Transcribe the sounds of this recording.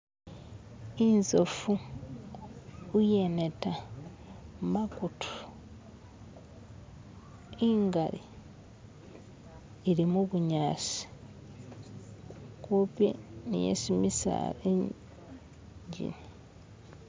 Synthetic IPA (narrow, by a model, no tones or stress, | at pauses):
inzofu | ujeneta | makutʰu̥ | iŋɡali | ɾimuβuɲaːsi̥ | kopḛnḭjḛsimisa̰e | ɲɟḭni